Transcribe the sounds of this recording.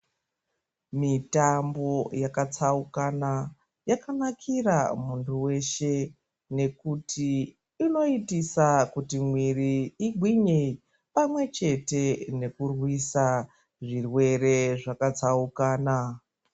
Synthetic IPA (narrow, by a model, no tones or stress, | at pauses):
mitambo̞jakat͡saukana | jakanakʰira̰muntʰuwe̞ʃe̞ | ne̞kutʰiː | no̞itisakutimwiriiɡʱwiɲe | pamwe̞t͡ʃe̞te̞ne̞kurwisa | ʐirwe̞re̞ʐakat͡saukaːna